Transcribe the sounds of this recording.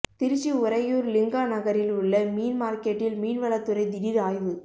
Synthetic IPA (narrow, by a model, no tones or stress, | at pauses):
t̪ɪɾɪt͡ʃːiʊɾɐjuːɾlɪŋɡaːnɐɣɐɾɪlʊɭːɐmiːnmaːɾkɛʈːɪlmiːnʋɐɭɐt̪ːɯɾɐɪd̪ɪɽiɾaːjʋɯ